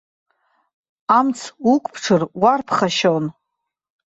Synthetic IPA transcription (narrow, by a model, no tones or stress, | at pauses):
amt͡sʰukʷʼpʰʈ͡ʂʰɨrwarpʰχaʃown